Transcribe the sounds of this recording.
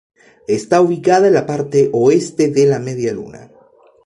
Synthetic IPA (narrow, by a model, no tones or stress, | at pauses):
est̪auβikaðaenlapaɾt̪e̞ʔoe̞st̪e̞ðe̞lame̞ðjalṵna̰